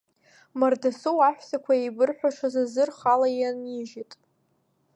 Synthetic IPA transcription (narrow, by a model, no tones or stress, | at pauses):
mardasowaħʷᶣsakʷʰaejbɨrħʷᶣaʂʰazazɨrχalajaniʒitʼ